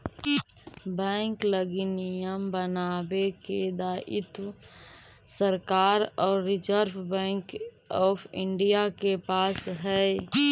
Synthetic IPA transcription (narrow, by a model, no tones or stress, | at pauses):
bɛ̃ːŋkləɡinijəmbənaːbeked̪aːʔɪt̪ | səɾkaːɾɔːɾːɪd͡ʒəɾbʰbɛ̃ːŋk | ɔːpʰɪɳɖijakepaːsɦɛ